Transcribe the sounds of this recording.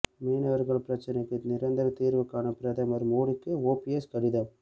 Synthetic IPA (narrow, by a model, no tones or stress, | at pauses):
meːnɐʋɐɾɣɐɭpɪɾɐt͡ʃːɐnɐɪkːɯnɪɾɐnd̪ɐɾɐt̪iːɾʋɯkːaːnɐpɪɾɐðɐmɐɾmoːɽɯkːɯoːpiɛskɐɽɪðɐm